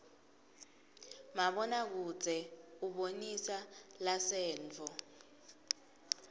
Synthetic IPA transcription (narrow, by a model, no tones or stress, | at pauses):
maɓɔnak̬u̥d͡zʱɛuɓonisalasɛːnt͡fɔ